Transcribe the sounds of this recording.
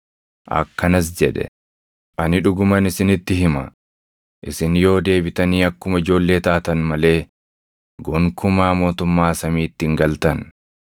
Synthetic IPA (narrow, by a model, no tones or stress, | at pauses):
ʔɐ̰kːɐnɐs̬d͡ʒɛᶑɛ̰ | ʔɐnɪᶑʊɡʊmɐnɪsɪnɪt̪ːɪɦɪmɐ | ʔɪsɪnjo̞ːd̪e̞ːbɪt̪ɐniːɐkːʊmɐɪd͡ʒo̞ːlːe̞ːt̪aːt̪ɐnmɐle̞ː | ɡɔŋkʊmaːmo̞ːt̪ʊmːaːsɐmiːt̪ːɪŋɡɐlt̪ɐn